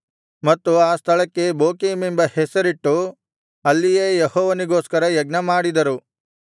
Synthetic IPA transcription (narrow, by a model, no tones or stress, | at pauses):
mɐt̪ːuaːst̪ʰɐɭɐkːe̞boːkiːmimbɐhesɐɾiʈːu | ɐlːijeːjehɔːʋɐniɡoːskɐɾɐjɐɡ̚nɐmaːɽid̪ɐɾu